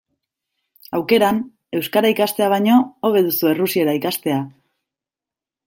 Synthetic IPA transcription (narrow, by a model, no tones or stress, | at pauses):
awke̞ɾan | e̞wskaɾaikast̪e̞aβ̞ajɲo̞oβ̞e̞ðusue̞rusie̞ɾaikast̪e̞a